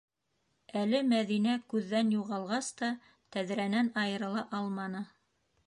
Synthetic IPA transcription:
ælɘmæðinækʉðːænjuʁɑlˠʁɑst̪ɑ | t̪æðɾænænɑjɤ̆ɾɤ̆lˠɑʔɑlˠmɑnɤ

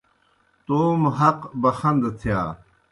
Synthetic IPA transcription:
t̪oːmɦɐqbɐxɐnd̪ɐt̪ʰjaː

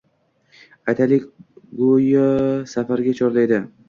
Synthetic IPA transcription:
ajt̪ʰalɪkʲɡojɒsafaɾɡʲat͡ʃʰɒɾlajd̪ɪ

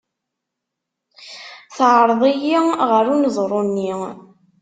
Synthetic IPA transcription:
θʕəɾˤðˤijiʁəɾunəzˤɾˤonːi

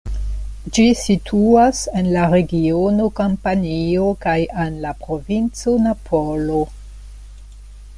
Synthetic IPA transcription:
d͡ʒisitʰuase̞nlaɾe̞ɡionokampanio̞kajenlapɾo̞vint͡so̞napʰolo

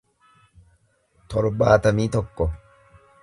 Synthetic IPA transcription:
t̪ʰɔɾbaːt̪ɐmiːt̪ɔkːɔ

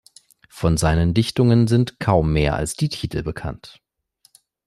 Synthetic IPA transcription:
fɔnzaɪnəndɪçtʊŋənzɪntkʰaʊmːeːɐʔa̰lsd̥iːtʰiːtʰl̩bəkʰa̰nt

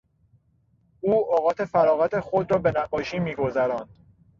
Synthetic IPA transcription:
uːɒːɣɒːt̪ʰe̞fæɾɒːɣæt̪ʰe̞xod̪ɾɒːbe̞næɡːɒːʃiːmiːɡo̞zæɾɒːnd̪̥

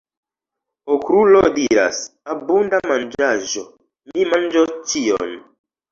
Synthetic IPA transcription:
okɾulodiɾa̰sabundamand͡ʒaʒo | mimand͡ʒot͡ʃio̰n

